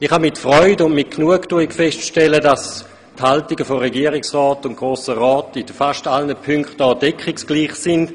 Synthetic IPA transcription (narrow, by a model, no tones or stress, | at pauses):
iχhamɪtfʁɔʏdʊndmɪt̚knuəktuəikfɛstʃtɛlədas | thaltiɡəfoʁɛɡiːəʁɪksʁɔːtʊntɡ̥ʁoːsəʁɔːtɪdəfaʃtalnəpʰʏŋkχtɔːdɛkχɪksɡ̥liːχsɪnd